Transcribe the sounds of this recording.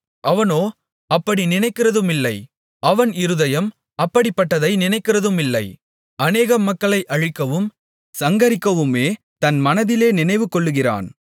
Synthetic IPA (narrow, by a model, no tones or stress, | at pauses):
ʔɐʋɐnoː | ɐpːɐɽinɪnɐɪkːɪrɐðɯmɪlːɐɪ | ʔɐʋɐnɪɾɯðɐjɐm | ɐpːɐɽɪpːɐʈːɐðɐɪnɪnɐɪkːɪrɐðɯmɪlːɐɪ | ʔɐneːɣɐmɐkːɐɭɐɪʔɐɻɪkːɐʋɯm | sɐŋɡɐɾɪkːɐʋɯmeː | t̪ɐnmɐnɐðɪleːnɪnɐɪʋɯkːɔɭːɯɣɪra̰ːn